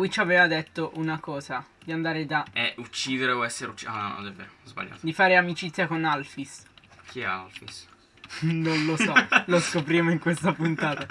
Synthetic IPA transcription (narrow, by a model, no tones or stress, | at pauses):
wit͡ʃːavɛːvad̪et̪ːoʔunakɔːza | d̪iand̪aːɾed̪aɛut͡ʃːiːd̪eɾeoɛsːeɾeut͡ʃːiannɔ̰d̪ɛvːḛːɾozba̰ʎːa̰ːt̪d̪ifaːɾeamit͡ʃit̪sjakonalfisk̟ʰiɛ̰a̰lfḭs | nonlosɔloskopɾjemoiŋkwest̪apunt̪aːt̪a